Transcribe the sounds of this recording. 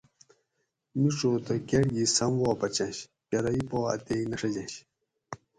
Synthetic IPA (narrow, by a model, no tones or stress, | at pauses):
miʈ͡ʂoːt̪ɐkeɽɡisɐmwoːpɐt͡ɕɐ̃nɕ | kɐɾɐipoːɐ̰t̪einɐʂɐd͡ʑɐnɕ